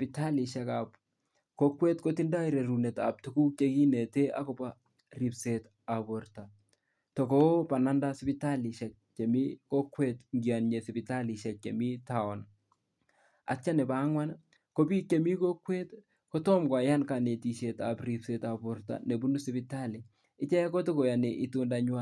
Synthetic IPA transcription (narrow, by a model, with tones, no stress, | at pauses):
pita˦li˨ʃa˨kap | ko˦kwe˦tko˦ti˦nda˦iɾe˨ɾu˨ne˨ta̰˨p̚tuku˦k̚t͡ʃe˦ki˦ne˨te˦a̰˦ko˨pa | ri˨pse˨t | a˨borta | tɔ˨ko˦pa˨na˦nda˦sɪ˦pi˦ta˦li˨ʃa˨k̚t͡ʃe˨mi˦ko˦kwe˦tŋɡjanɲe˨sɪ˨pita˦li˨ʃɛ˨k̚t͡ʃḛmi˦ta˨ɔ˨n | a̰˨t͡ʃa˦nɛ˨ba˦ŋwa˦n | ko˦bi˦ke˨mi˦ko˦kwe˦t | ko˦tɔ˦mkwa˨ja˦nka˨ne˨ti˨ʃe˨tapri˨pse˨ta˨bo˨rta̰˨ne˨bu˦nu˦sɪpɪta˦li˨ | ɪ˦t͡ʃɛ˦a˦ko˦to˦ko˨ja˨ne˨ʔi˦to˦nda˦ɲwa˨